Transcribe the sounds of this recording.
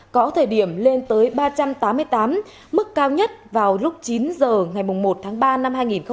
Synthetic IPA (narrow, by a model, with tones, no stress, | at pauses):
kɔ˨˦t̪ʰəː˧˩jɗi˧˩əmle˧nt̪əː˨˦jɓaː˧t͡ɕa˧mt̪aː˨˦mːɨ˧əjt̪aː˨˦mː | ɨ˦˥kːaː˧wɲə˦˥t̚vaː˨˩wlʊ˦˥k͡p̚t͡ɕi˨˦nzəː˨˩ŋa˨˩jmʊ˨˩ŋ͡mmo˨˩t̚t̪ʰaː˨˦ŋɓaː˧na˧mhaː˧jŋi˨˩nxə˧